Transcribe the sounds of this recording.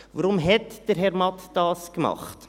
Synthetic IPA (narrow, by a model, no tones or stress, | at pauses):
ʋəɾʊmɦɛtd̥əɾɦɛɾmɑt̪d̥ɑːskmɑ̰χt